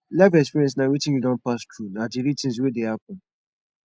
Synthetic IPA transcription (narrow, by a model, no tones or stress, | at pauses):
lɛvɛkspiɹiɛ̃ns̬naɹitɪ̃njiɡãnpastʰɹunadiɹitɪ̃ns̬wedehap̚ɔ̃n